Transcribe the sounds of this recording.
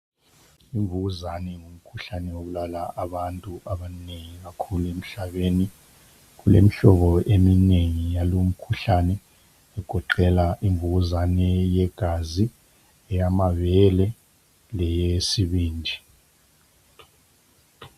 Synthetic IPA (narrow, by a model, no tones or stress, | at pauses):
iɱvuuzanɛŋom̩kʰuɬanɛwokulalaʔaɓantʼuʔaɓaneŋik̬akʰuluem̩ɬaɓeni | k̬ulḛmiɬɔɓɔʔemineŋijalom̩kʰuɬanɛ | ɛɡ̥ʱɔǃɛlaʔiɱvuk̬uzanɛjɛɡ̥ʱazi | ɛjamavɛlɛ | lɛjesiɓiːnd͡ʒʱi